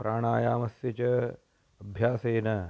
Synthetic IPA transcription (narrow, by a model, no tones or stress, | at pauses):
pɾaːɳaːjaːmɐsjɐt͡ʃɐ | ɐbʱjaːseːnɐ